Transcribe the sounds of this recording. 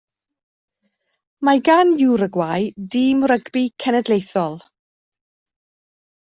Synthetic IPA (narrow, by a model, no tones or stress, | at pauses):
maɡanjuɾəɡwajdiːmrəɡbikʰɛnɛdlejθɔlˠ